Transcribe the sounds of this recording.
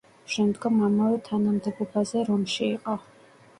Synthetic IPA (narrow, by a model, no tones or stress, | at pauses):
ʃɛmd̪ɡɔmamavɛt̪ʰanamd̪ɛbɔbazɛɾɔmʃiːqʼɔ